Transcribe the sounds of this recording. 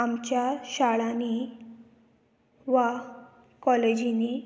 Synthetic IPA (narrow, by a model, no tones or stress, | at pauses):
amt͡ɕjaɕaɭani | ʋa | kɔled͡ʑini